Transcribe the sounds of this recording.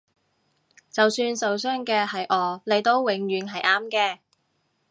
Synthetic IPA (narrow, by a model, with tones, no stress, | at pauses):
t͡sɐ˨wsyː˧nsɐ˨wsœː˥ŋkɛː˧hɐ˨jʔɔː˨˧le˨jt̪o˧wwɪ˨˩ŋɥyː˨˧nɦɐ˨jʔaː˥mkɛː˧